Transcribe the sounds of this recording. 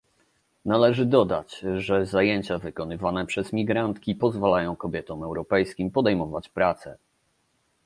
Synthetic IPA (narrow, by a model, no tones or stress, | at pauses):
nalɛʐɘd̪ɔd̪a̰t͡ɕʐɛzajeɲt͡ɕavɘkɔnɘvanɛpʂɛzmʲiɡɾant̪kʲipɔzvalajɔ̃w̃kɔbʲjɛt̪ɔ̃mɛwɾɔpɛjskʲimpɔd̪ɛjmɔvat͡ɕpɾat̪sɛ